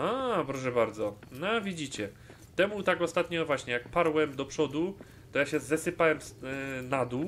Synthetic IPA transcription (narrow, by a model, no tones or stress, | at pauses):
apɾɔʂ̬ɛbaɾd̪zɔnavʲid͡ʑit͡ɕɛ | t̪ɛmut̪akɔst̪at̪ɲɔvwaɕɲɛjak̚paɾwɛmd̪ɔpʂɔd̪u | t̪ɔjaɕɛzɛsɘpawɛmsnad̪u